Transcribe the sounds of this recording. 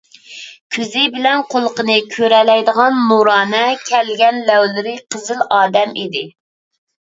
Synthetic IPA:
kʲʰyzɪbɪlɛnqʰolˠəqənɨkʲʰøɾɛlɛjd̪əʁɑnmuɾɑːnɛkʲʰɛlɡʲɛnlɛwlɪɾɪqʰəzɪlɑːd̪ɛmḭd̪ɪ

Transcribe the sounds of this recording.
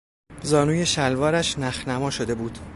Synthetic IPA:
zɒːnuːje̞ʃælvɒːɾæʃnæxnæmɒːʃo̞d̪e̞buːd̪̥

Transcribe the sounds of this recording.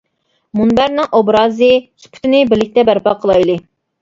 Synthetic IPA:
munbæɾnɨŋʔobɾɑːzɨsu̥pʰʊ̥t̪ʰɪnɪbɪlːɪkʲt̪ɛbæɾpɑqʰəlˠɑjlˠɨ

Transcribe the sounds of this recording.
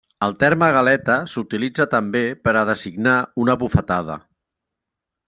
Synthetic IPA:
əlˠt̪ɛɾməɣəlɛt̪əsut̪ilid͡zət̪əmbepəɾəðəziɡnaunəβufət̪aðə̰

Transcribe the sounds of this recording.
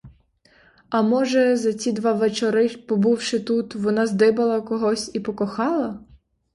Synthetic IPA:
ɐmɔʒɛzɐt͡sʲid̪ʋɑʋet͡ʃɔɾɪpɔbuwʃɪt̪ut̪ʋɔnɑzd̪ɪbɐlˠɐkɔɦɔsʲipɔkɔxɑlˠɐ

